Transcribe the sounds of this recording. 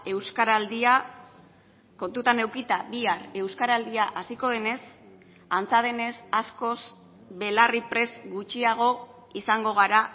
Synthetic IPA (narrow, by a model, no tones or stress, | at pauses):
e̞wskaɾald̪ia | ko̞nt̪ut̪ane̞wkit̪abiare̞wskaɾald̪iaʔasiko̞ð̞e̞ne̞s | ant͡saðe̞ne̞sasko̞s | βe̞laripɾe̞sɡut͡ʃiaɣ̞o̞ | isaŋɡo̞ɣ̞aɾa